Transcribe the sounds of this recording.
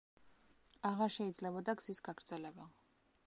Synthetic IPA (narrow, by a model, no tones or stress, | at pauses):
aʁaɾʃɛid̪zlɛbɔd̪aɡz̥isɡaɡɾd̪z̥ɛlɛba